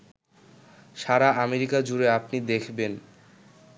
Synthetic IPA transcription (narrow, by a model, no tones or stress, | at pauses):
ʃaɾaʔameɾikad͡ʑuɾeapnid̪ekʰben